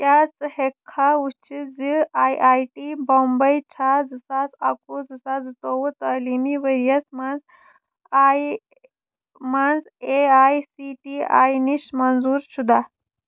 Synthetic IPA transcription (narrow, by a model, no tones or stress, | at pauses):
t̪jat͡shekʰːaut͡ʃʰid͡ziajʔajʈibɔmbəjt͡ʃʰad͡zɨsad͡zakud͡zɨsad͡zɨt̪oʋət̪alimiʋəɾjəsmanz | aj | manz | eajsiʈia̰jniɕmanzuːɾɕud̪a